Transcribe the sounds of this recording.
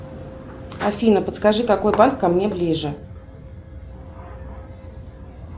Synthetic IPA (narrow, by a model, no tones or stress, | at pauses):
ɐfʲinəpət̪skɐʐɨkɐko̞jbankːɐmnʲeblʲiʐɨ